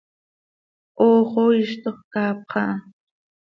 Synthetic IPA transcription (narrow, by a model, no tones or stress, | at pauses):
oːχoɪʃt̪oχkaːp̚qɑ